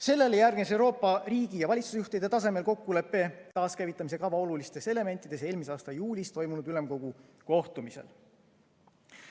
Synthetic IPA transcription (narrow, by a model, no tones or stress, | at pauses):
se̞lːe̞lejærɡnes̬e̞wɾo̞ːpˑːɑriːɡ̥ijɑvɑlʲit̪susjuht̪ejd̪̥et̪ɑs̬e̞me̞lko̞kːule̞pːe̞t̪ɑːskævit̪ːˑɑmise̞kɑvɑo̞lulist̪e̞se̞le̞me̞nt̪ːˑid̪̥e̞se̞ːlmiseɑːst̪ɑjuːlʲist̪o̞jmunud̪̥yle̞mko̞ɡuko̞ht̪umise̞̰l